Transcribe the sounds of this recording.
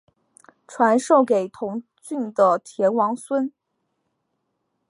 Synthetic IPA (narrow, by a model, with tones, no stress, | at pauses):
ʈ͡ʂʰwa˧˥nʂo˥˩ʊke˨˩ɪt̪ʰʊ˧˥ŋ | t͡ɕy˥˩nd̪ə˩t̪ʰjɛ˧˥nwɑ˧˥ŋswə˥n